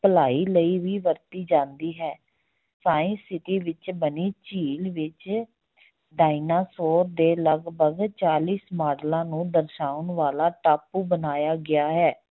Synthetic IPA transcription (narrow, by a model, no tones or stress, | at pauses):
pəlaːiːləiːʋiːʋəɾt̪iːd͡ʒãːnd̪iːɦɛː | saːɪ̃st̪ɪt̪iːʋɪt͡ʃbəniːt͡ʃiːlʋɪt͡ʃ | ɖaːinaːsoːɾd̪eːləɡbʱəɡt͡ʃaːliːsmaːɖlãːnũːd̪əɾʃaːʊnʋaːlaːʈaːpːuːbənaːjaːɡɪaːɦɛː